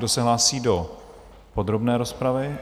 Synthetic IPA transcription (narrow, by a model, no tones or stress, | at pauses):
do̞sɛɦlaːsiːdo | po̞d̪ɾo̞bnɛːɾospɾavɪ